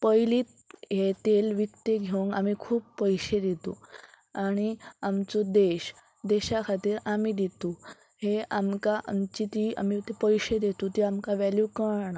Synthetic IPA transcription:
pəjliːt̪̚ | jet̪elʋikt̪eɡʱewŋɡamiːkʰuːbːəjɕed̪et̪o̰ | aɽ̃iamt͡sod̪eɕ | d̪eɕakʰat̪iːɾamiːd̪it̪u | heʔamkaʔa̰mt͡ɕit̪ia̰mit̪epəjɕed̪et̪ut̪iamkaʋæljukəɾɳa

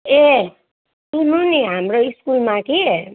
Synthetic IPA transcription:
e | inuniɦamɾoiskulmãki

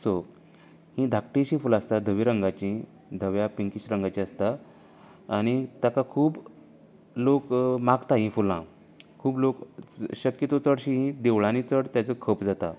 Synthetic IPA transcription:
so | hĩd̪ʱak̚ʈiɕĩfulast̪ad̪ʱəʋiɾəŋɡat͡ɕĩ | d̪ʱəʋjapiŋkiɕɾəŋɡat͡ɕĩast̪aː | ɽ̃it̪akakʰuːb | lokmaɡt̪aɦĩfulã | kʰuːblokɕəkjət̪õt͡səɽɕĩɦĩd̪eʋɭãnit͡səɽt̪jat͡səkʰəpd͡zat̪a

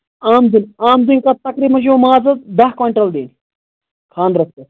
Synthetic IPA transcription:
aːmzinaːmzinkɐt̪ːɐkɾiːmɐnʃoːmaːzɐd̪ɐɦkʋɐɳʈɐld̪iːn | kʰãːnd̪ɾɐst̪e

